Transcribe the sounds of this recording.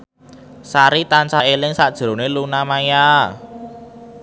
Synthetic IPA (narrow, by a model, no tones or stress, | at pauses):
saɾit̪ant͡ʃaelɪŋsaʔd̥ʒ̥ɾo̤nelunamaja